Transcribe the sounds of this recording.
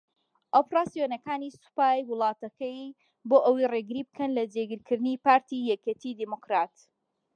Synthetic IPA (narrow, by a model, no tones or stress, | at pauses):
ʔopɾaːsijonɐkaːnisu̥paːjwɨlˠɑːt̪ɐkɐj | boːʔɐwijreɡɨɾiːbɨkʰɐnlɐd͡ʒeɡɨɾkʰɨɾd̪ɨnipaːɾt̪ijɛkʲet̪ʰid̪imokɾaːt̪